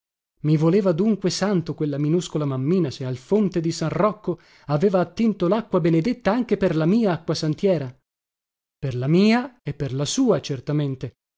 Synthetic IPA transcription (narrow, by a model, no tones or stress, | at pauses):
mivoleːvad̪uŋkwesant̪okwelːaminuskolamamːiːnasealfont̪ed̪isanrɔkːo | aveːvaːt̪ːint̪olakːwabened̪et̪ːaaŋk̟eperlamiːaakːwasant̪jɛːɾa | perlamiːaepːerlasuːat͡ʃert̪ament̪e